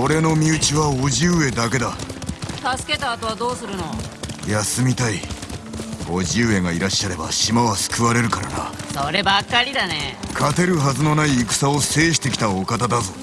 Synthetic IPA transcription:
o̞ɾe̞no̞mʲiɯ̟t͡ɕiβaoʑɨːe̞d̪ake̞d̪at̪asɨ̥ke̞t̪aːt̪o̞βad̪o̞ːsɨɾɯ̟no̞jasɨmʲit̪ai | oʑɨːe̞ŋaiɾaɕːaɾe̞ba̰ɕimaβasɨ̥kɯ̟βaɾe̞ɾɯ̟kaɾa̰na̰soɾe̞bakːaɾʲid̪anekʰat̪e̞ɾɯ̟ɦazɨno̞naiːkɯ̟̥sao̞se̞ːɕi̥t̪e̞kʲi̥t̪aokat̪ad̪azo

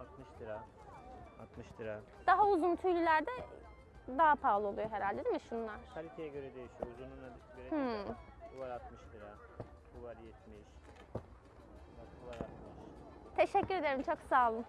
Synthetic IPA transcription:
at̪mɯʃd̪ɯɾa | at̪mɯʃd̪ɯɾa | d̪̥aɦauzunt̪ʰyjlʲylʲæɾd̪ɛ | d̪aɦapʰaːlˠɯo̞lˠujoɦe̞ɾalʲd̪ed̪imiʃunlˠaɾt̪ʰalʲikʰejɛɟøɾɛd̪e̞jiʃijouzununabiʃɡøɾe | buvaɾat̪mɯʃd̪ɯɾa | uvaɾjɛt̪mejiʃ | at̪uvaɾat̪mɯʃt̪ʰe̞ʃɛcːyɾe̞d̪eɾimt͡ʃʰoksaːlˠɯm

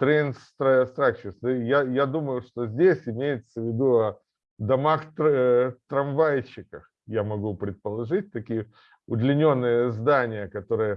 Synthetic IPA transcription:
t̪ɾʲenst̪ɾast̪ɾakt͡ɕɪsnɨjajad̪uməjʊʂt̪o̞zʲdʲesʲɪmʲejɪt̪səvʲɪd̪uɐ | d̪ɐmaxt̪t̪ɾɐmvajɪt͡ɕːɪkəx | jamɐɡupɾʲɪt̪̚pəlˠɐʐɨt̚ʲt̪ɐkʲijə | ʊd̪lʲɪnʲo̞nːɨjəzd̪anʲɪjəkɐt̪o̞ɾɨjə

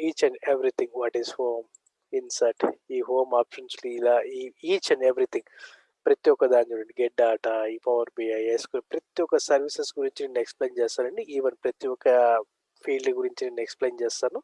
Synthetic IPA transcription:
iːt͡ʃɐneʋɾit̪ʰiŋɡʋaʈizhoːm | insɐʈiːɦoːmaːpʃɐnsluilaːiiːt͡ʃɐneʋɾit̪ʰiŋɡ | pɾɐt̪ijɔkːɐd̪aːnd͡ʒuːɽɐɳɖiɡeʈ̚ɖaːʈaiːpɐʋɐɾbiajeːskunpɾɐt̪ijɔkːɐsɐɾʋisesɡuɾiɲt͡ʃineːnuekspleːnt͡ʃɛːst̪aːlɐɳɖiiːʋɐnpɾɐt̪iɔkːɐ | pʰiːɭɖɡuɾiɲt͡ʃineːnuekspleːnt͡ʃɛːst̪aːnu

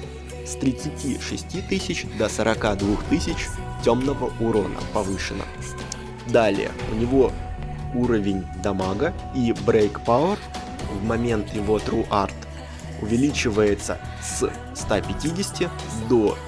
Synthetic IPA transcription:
st̪ɾʲɪt̪sɨtʲiʂɨsʲtʲit̪ɨsʲɪt͡ɕd̪əsəɾɐkad̪vuxt̪ɨsʲɪt͡ɕtʲo̞mnəvəʔʊɾonə̰pɐvɨʂɨnə̰ | d̪alʲɪ̰jə̰ʊnʲɪvo̞ | uɾəvʲɪnʲd̪ɐmaɡə | ibɾejkpaʊər | vmɐmʲe̞nt̪jɪvo̞t̪ɾuʔart̪ | ʊvʲɪlʲit͡ɕɪvəjɪt̪sə̰ | s | st̪apʲɪtʲidʲɪsʲtʲɪ | d̪o

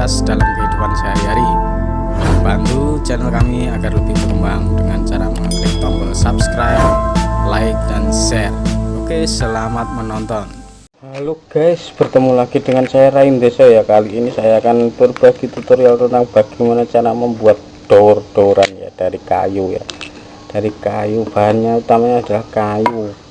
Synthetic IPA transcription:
asd̪̥alamkəit̪upansajaɾi | bant̪u | t͡ʃɛnəlkamiaɡarlut̪ikəmwaŋd̥əŋant͡ʃaɾaməŋatɛt̪ɔmbɔlsapskɾajp̚laɪk̚dansɛrokesəlamat̪̚mənɔnt̪ɔn | luɡ̥aɪsb̥ərt̪əmulaɡ̥idəŋansaɾaind̪esɔjakaliːnisajakanpʊrb̥aɡ̥it̪ut̪uɾialt̪ənt̪aŋb̥aɡ̥imanat͡ʃaɾaməmbuat̪̚ | d̥ord̥oɾanja̰d̥aɾika̰juja̰ | d̥aɾikajub̥aɦanɲaut̪amaɲaːd̥alahkaju

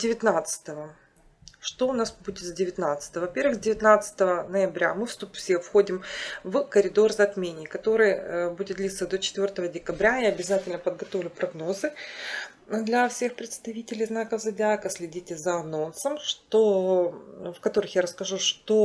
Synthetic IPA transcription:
dʲɪvʲɪt̪nat̪sɨ̥t̪əvə | ʂt̪oʊnasbudʲɪt̪zʲdʲɪvʲɪt̪nat̪sɨ̥t̪əəvɐpʲe̞rvɨxdʲɪvʲɪt̪nat̪sɨ̥t̪əvənəjɪbɾʲamɨfst̪upfsʲefxo̞dʲɪmvkəɾʲɪd̪o̞rzɐt̪mʲenʲɪkɐt̪o̞ɾɨjbudʲɪt̪̚d̪lʲit̪səd̪o̞t͡ɕɪ̥t̪vʲo̞rt̪əvədʲɪkɐbɾʲaɪɐbʲɪzatʲɪlʲnəpəd̪̚ɡɐt̪o̞vlʲʊpɾɐɡno̞zɨ | d̪lʲɐfsʲe̞xpɾʲɪt̪st̪ɐvʲitʲɪlʲɪjznakəzɐdʲakəsʲlʲɪdʲitʲɪzəɐno̞nsəmʂt̪o | fkɐt̪o̞ɾɨxjaɾəskɐʐuʂt̪o̞

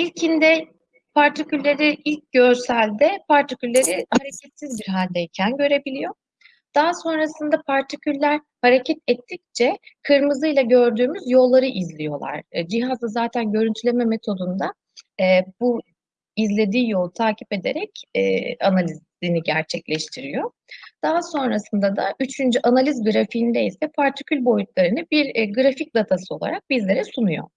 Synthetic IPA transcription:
ilʲcʰind̪ɛ | pʰaɾt̪ʰicylʲːeɾiʔilʲc̚ɟø̞ɾsælʲd̪ɛpʰaɾt̪ʰicylʲːeɾihaɾecʰɛt̪sizbiɾɦalʲd̪ejicʰænɟø̞ɾe̞bilʲijo̞ | d̪̥aɦaso̞nɾasɯnd̪apʰaɾt̪ʰicʰylʲːæɾ | haɾe̞cʰɛt̪ɛt̪ʰːic̚t͡ʃʰɛkʰɯɾmɯzɯjlˠaɟø̞ɾd̪yːmyzjo̞lˠːaɾɯʔizlʲijo̞lˠa̰ɾ̥d͡ʒiɦazd̪azaːt̪ʰænɟø̞ɾynt̪ʰylʲe̞mɛmet̪ʰo̞d̪und̪a | ɛːb̥u | izlʲe̞d̪iːjo̞lˠt̪ʰaːcʰi̥pe̞d̪e̞̰ɾɛcɛ̰analʲiz | iniɟæɾt͡ʃʰɛclʲɛʃt̪ʰiɾijo̞ | d̪̥aɦaso̞nɾasɯnd̪ad̪aʔyt͡ʃʰynd͡ʒyʔanalʲizɡɯɾafiind̪eisɛpʰaɾt̪ʰi̥cʰylʲbo̞jut̪lˠaɾɯnɯbiɾɡɯɾafic̚d̪at̪ʰasɯo̞lˠa̰ɾak̚bizlʲe̞ɾɛsunujo̞̰

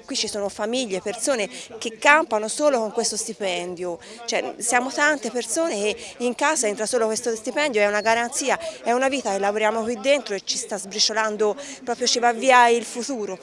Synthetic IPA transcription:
kwit͡ʃːisoːnofamiʎːepersoːnekekːampanosoːlokoŋkwest̪ost̪ipɛnd̪jo | t͡ʃoɛsjaːmot̪ant̪epersoːnek̟eiŋkaːzaɛnt̪ɾasoːlokwest̪ost̪ipɛnd̪joɛunaɡaɾant̪siːaɛunaviːt̪akelːavoɾjaːmokwid̪ːent̪ɾoet͡ʃːist̪azbɾit͡ʃoland̪opɾɔːpɾjot͡ʃivavːiːailfut̪uːɾo

